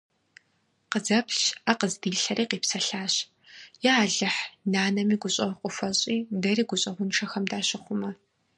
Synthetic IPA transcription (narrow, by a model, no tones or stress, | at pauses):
qəzɐpʰɕaqəzdiːɮɬɐɾiːqiːpsɐɬaːɕ | jɛaːɮɐħnaːnɐmiːɡʷʊɕʼɐqʷʼʊfɐɕʼiːdɐriːɡʷʊɕʼɐʁʷʊnʈ͡ʂʰɐxɐmdaːɕɪχʷʊmɐ